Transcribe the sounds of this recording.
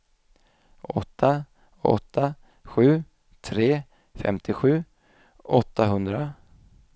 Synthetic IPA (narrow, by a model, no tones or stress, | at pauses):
ʔɔ̰t̪ʰːa | ɔ̰t̪ʰːa | ɧʉ̟ː | t̪ʰɾeː | fɛ̰mt̪ʰɪɧʉ̟ː | ɔt̪ʰːaɦɵnd̪ɾa